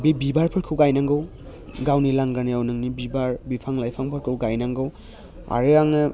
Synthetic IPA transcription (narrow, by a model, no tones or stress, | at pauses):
bibibaɾpʰɯɾkʰɯwɡajnaŋɡɯw | ɡawnilaŋɡanijawnɯŋnibibaɾbipʰaŋlajpʰaŋpʰɯɾkʰɯwɡajnaŋɡɯw | a̰ɾɯaŋnɯ